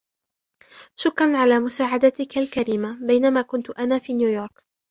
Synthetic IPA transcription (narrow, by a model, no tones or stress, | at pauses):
ʃʊkːɾanʕalaːmʊsaːʕad̪at̪ɪkalkaɾiːmabajnamaːkʊnt̪ʊʔanaːfiːnjuːjoːɾˤk